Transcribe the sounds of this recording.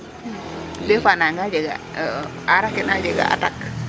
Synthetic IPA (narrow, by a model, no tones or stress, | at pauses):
lefanaŋɡad͡ʒɛɡa̰ | aɾakɪnad͡ʒɛɡa̰ʔa̰tak